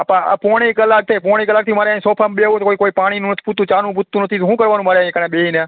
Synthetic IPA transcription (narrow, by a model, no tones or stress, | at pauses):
apãa̰pɔɽ̃ekəlak̚t̪ʰepɔɽ̃ekəlak̚t̪ʰimaːɾɛãĩsɔpʰamɓeʋũt̪okoikoipaɽ̃inũnət̪ʰput̪ːũt͡ʃanũbut̪ːũnət̪ʰit̪ɦũkəɾʋanũmaɾeĩkənẽɓeɦinẽ